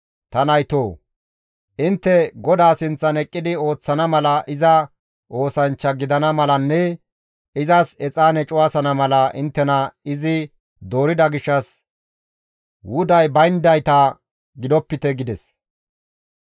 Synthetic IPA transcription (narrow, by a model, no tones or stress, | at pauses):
t̪ɐnɐjt̪oː | ʔɪnt̪ːɛɡɔd̪aːsɪnt͡sːɐnɛkʼːɪd̪ɪo̞ːt͡sːɐnɐmɐlɐʔɪzɐ | ʔo̞ːsɐnt͡ʃːɐɡɪd̪ɐnɐmɐlɐnːɛ | ɪzɐsɛt͡sʼaːnɛt͡ʃʼʊwasɐnɐmɐlɐʔɪnt̪ːɛnɐɪzɪ | d̪o̞ːɾɪd̪ɐɡɪʃːɐs | wʊd̪ɐjbɐjnd̪ɐjt̪ɐ | ɡɪd̪ɔpːɪt̪ɛɡɪd̪ɛs